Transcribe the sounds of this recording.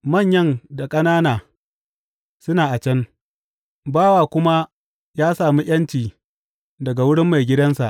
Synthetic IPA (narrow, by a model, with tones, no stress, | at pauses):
mɐ˦˨ɲjɐ˦˨nda˨kʼɐ˦naː˦naː˨ | sʊ˦naː˨ʔa˨t͡ʃɐ˦n | baː˦waː˨kʷʊ˦ma˦ | jaː˦saː˨mi˦j̰ɐ˦nt͡ʃiː˨ | dɐ˨ɡa˨wʊ˦ɽɪ˦mːa˨jɡʲɪ˦dɐ˦nsa̰˨ʔ